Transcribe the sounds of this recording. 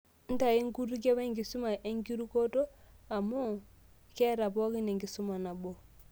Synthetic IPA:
n̩˦ta˨i˦ŋɡu˦ɾu˦k̬e˦wɛ˦ŋɡi˨su˦ma˨ʔe˦ŋɡi˦ɾu˦ko˦to˦ | a˨mu˦˨ | kɛ˦ɾa˨pɔ˦ki˦ne˨ŋɡi˨su˦ma˨na˨bo˨

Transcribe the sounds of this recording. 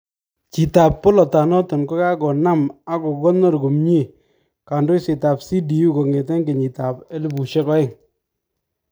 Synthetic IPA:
t͡ʃi˨ta˨pːɔ˦lɔ˨ta˨nɔ˦tɔ˨nko˦ka˦kɔ˨na˦ma˦ko˨kɔ˦nɔ˦ɾɡu˨mɲi˦˨ | ka˨ndo˦sɪ˨ta˨psi˦di˨ju˦ko˨ŋe˨tɛ˦ŋɡe˨ɲi˨ta˨pe˦lɪ˦bu˨ʃe˦kɔ˦ɪ˦ŋ

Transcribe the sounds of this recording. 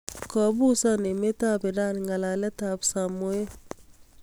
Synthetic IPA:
kɔ˨bu˦sa˦ne˨me˦ta˦be˨da˦nŋa˨la˨lɛ˦ta˨bsa˨mo˦e˦

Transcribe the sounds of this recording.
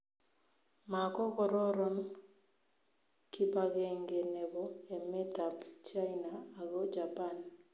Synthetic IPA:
ma˨kɔ˦kɔ˦ɾɔ˦ɾɔ˦n | ki˦pa˨ɣɛŋɡe˨nɛ˨βɔ˨e˨mɛ˦ta˨pt͡ʃa˦inaː˨ɣɔ˦d͡ʒa˨pa˦˨n

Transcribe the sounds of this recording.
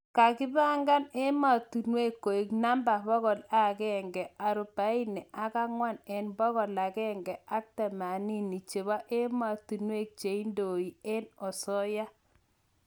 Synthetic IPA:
ka˨ki˦ba˦ŋɡa˦ne˦ma˨tu˨nwe˦kːo˨i˨kna˦mba˨bɔ˦ɣɔ˨la˦kɛ˦˨ŋɡɛ˨a˨ɾu˨pa˨˦i˦nɛ˨ʔa˦ka˦ŋwa˦˨nɛ˨nbɔ˦ɣɔ˨la˨kɛ˦ŋɡɛ˨a˦k̚tɛ˨ma˨ni˦ni˨t͡ʃe˨βa˦ʔe˦ma˨tu˨nwe˦˨k̚t͡ʃe˨i˦ndo˨i˨ɛ˦nɔ˨sɔ˦ja˦

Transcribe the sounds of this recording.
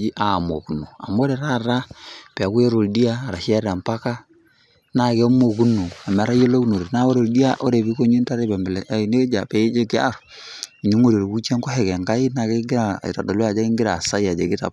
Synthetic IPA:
d͡ʒi˦ʔa˨mo̰˨ku˨no˨a̰˨mo˦ɾɛ˨ɾa˦ɾa˦pɛ˨a˨˦ku˦jɛ˦ɾo˨ldi˦aː˦˨ɾa˨ʃɛ˦ɾa˨mpa˦ka˦ | na˨kɛ˦mo˨ku˦nu˨a˨mɛ˨˦ɾa˦jo˦lo˦ku˦no˨ɾe˨na˦o˦ɾo˨ldi˦a˦ʔɔ˦ɾe˨βi˦ko˦ɲu˦nta˦ɾe˦bɛ˨mblne˦d͡ʒa˨pɛ˨˦d͡ʒe˦ki˦a̰˦ɾ | i˨ɲu˦ŋo˦˨ɾo˨ɾe˨ku˦t͡ʃɛ˦ŋkɔ˦ɛ˨kɛ˨ŋka˦i˦na˨kɛ˦ŋɡi˦ɾa˨ḭ˨ta˨do˨lu˦a˨d͡ʒa˦ki˦ŋɡi˦ɾa˨sa˦ja˨d͡ʒe˨ki˦ta̰˨p̚

